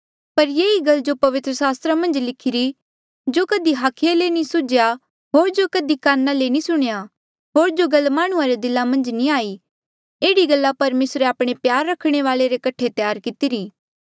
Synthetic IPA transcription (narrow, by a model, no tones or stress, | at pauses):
pɐɾjeːiɡɐld͡ʒopɐʋɪt̪ɾəsaːst̪ɾamɐ̃nd͡ʒlɪkʰɪɾi | d͡ʒoːkɐd̪iɦaːkʰealenĩsʊd͡ʒja | ɦoːɾd͡ʒokɐd̪ikaːnːalenĩsʊɽ̃eja | ɦoːɾd͡ʒoɡɐlmaːɽ̃ʊ̃ãɾed̪ɪlamɐ̃nd͡ʒnĩaːi | eːɽiɡɐlːapɐɾmeːsɾeaːpɽ̃epjaːɾːɐkʰɽ̃eʋaːleɾekɐʈʰet̪jaːɾkɪt̪iɾiː